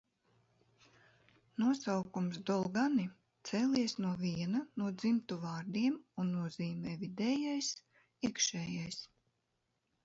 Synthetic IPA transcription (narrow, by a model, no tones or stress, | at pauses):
nuɔsawkumsd̪ɔlˠɡani | t̪sɛːlʲiɛsnuɔviɛnanuɔd̪zimt̪uvaːɾd̪iɛmunːuɔz̥iːmɛːvid̪ɛːjajs | iɛkʃɛːjajs